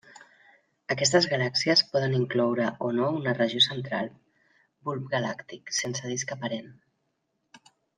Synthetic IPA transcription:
əkɛst̪əzɣalaksiəspɔðəniŋklɔwɾəʔonounərəʒiosənt̪ɾalˠ | bulpɡalakt̪iksensəðiskəpəɾen

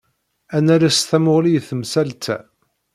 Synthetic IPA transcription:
ænæɾæst̪æmʊʁlijθəmsælt̪ʰæ

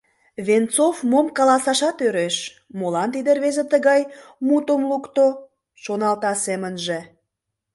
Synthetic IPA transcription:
βent͡sofmomkɑlɑsɑʃɑt̪øɾeʃ | molɑnt̪̬id̪erβezet̪əɣɑjmut̪əmlukt̪o | ʃonɑlt̪ɑsemənʒĕ

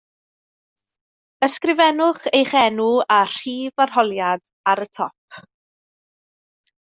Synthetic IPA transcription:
əskrɪvɛnʊχejχɛnʊar̥iːvarɦɔlˠjad̥ | aɾətʰɔp̚ʰ

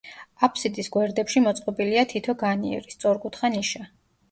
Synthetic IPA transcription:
apʰsid̪isɡwɛɾd̪ɛpʃimɔt̪sʼqʼɔbiliat̪ʰit̪ʰɔɡaniɛ̰ɾist̪sʼɔɾɡut̪ʰχaniʃa

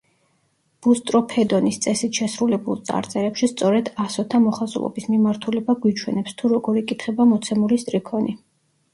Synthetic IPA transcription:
b̥ust̪ʼɾɔpʰɛd̪ɔnist̪sʼɛsit̪ʰʃɛsɾulɛbulˠt̪sʼa̰ɾt̪sʼɛɾɛpʃist̪sʼɔɾɛd̪asɔt̪ʰamɔχazṵlˠɔ̰bismimaɾt̪ʰulɛbaɡwit͡ʃʰwɛ̰nɛpst̪ʰuɾɔɡɔɾikʼit̪ʰχɛbamɔt̪sʰɛmulist̪ʼɾikʰɔni

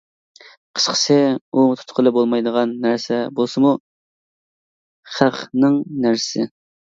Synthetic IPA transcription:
qʰə̥ʃqʰə̥sʰɪut̪ʰu̥t̪qʰəlˠɨbolˠmɑjd̪əʁɑnːæɾsɛbolˠsɨmu | χæqnɨŋnæɾsɪ

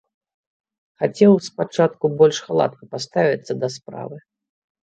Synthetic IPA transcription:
xat͡sʲɛwspat͡ʂat̪kubɔlʲʂxalˠa̰t̪̚kɐpast̪avʲit̪sːɐd̪ɐspɾa̰vɨ

